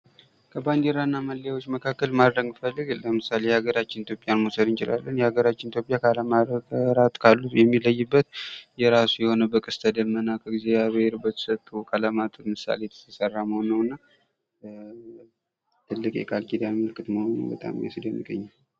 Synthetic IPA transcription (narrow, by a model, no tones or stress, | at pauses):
kʰəband̪eɾanːaməlːjawot͡ʃːməkʰakːəlmad̪ɾəŋɡfəlːɨɡləmɨsalejhaɡəɾat͡ʃːɪnit̪ʰjopʼjanmosəd̪ɨnt͡ʃɪla̰lːənjɛhaɡəɾat͡ʃːɪnit̪ʰjo̞pʼjakʰalamaəɾat̪ʼkʰalːujɛmːiləjːɨbːət̪jɛɾasujɛho̞nəbəkʼɨst̪ʰəd̪əmːənːakʰəɡizeaβɾbət̪ʰə̥sət̪ʼːukʼʰaləmat̪ʼət̪mɨsa̰lejt̪ʰə̥t̪ʰəsərːaməhonːəwɨnːa | t̪ʰɨlːɨkʼjɛ̰kʰʼalkʼid̪anməlɨkʰːɨt̪məhonṵmbət̪ʼa̰mjḛsɨd̪əmːɨɡə̰ɲːal